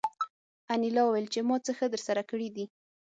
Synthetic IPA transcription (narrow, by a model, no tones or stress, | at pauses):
anilɑwəwajlt͡ʃemɑt͡səxəd̪əɾsaɾakəɽid̪i